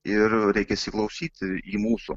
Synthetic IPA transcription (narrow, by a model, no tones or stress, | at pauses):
ɪɾɾʲɛɪkʲɛsʲɪklˠɐʊsʲiːt̪ʲɪimuːsʊ